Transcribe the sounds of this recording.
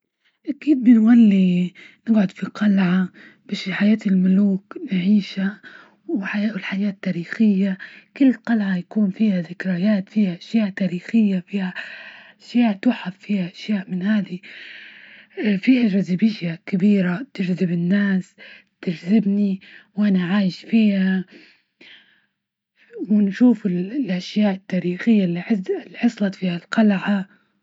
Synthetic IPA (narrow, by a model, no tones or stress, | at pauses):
ʔakiːd̪̚bɪnwalːinɪɡʕʊd̪fiqɑlʕa | b̥aʃiħajaːt̪ɪlmʊluːknʕiːʃa | wwɪħajaːʔʊlħajaːt̪ːaːɾiːxɪjːakɪlːqɑlʕajakuːnfiːhazɪkɾajaːt̪fiːhaʔaʃjaːʔt̪aːɾiːxɪjːafiːhaʔaʃjaːʔt̪uːħaffiːhaʔaʃjaːʔmɪnhaːd̪i | fiːhad͡ʒazɪbɪʃjakɪbiːɾat̪ɪd͡ʒzɪbɪnːaːs | t̪ɪd͡ʒzɪbniwʔanaʕaːjɪʃfiːha | wɪnʃuːfɪllʔaʃjaːʔɪt̪ːaːɾiːxɪjːalːɪlːiħɑsˤlɑt̪fiːhalqɑlʕa